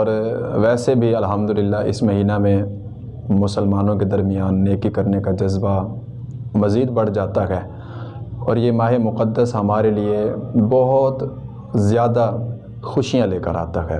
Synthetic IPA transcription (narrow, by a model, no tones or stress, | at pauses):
ɔːɾʋɛːsebʱiɐlɦəmd̪ʊlɪlːaʔɪ̰smɐɦiːnamẽ | mʊsəlmaːnõked̪ɐɾmijaːnːeːkikɐɾnekad͡ʒɐzba | mɐziːd̪bɐɽ̤d͡ʒaːt̪aɦɛː | ɔ̰ːɾjemaːɦemʊqəd̪ːəsɦɐmaːɾeliebɔɦʊt̪ | zjaːd̪a | xʊʃijãleːkəɾa̰ːt̪aɦɛ̰ː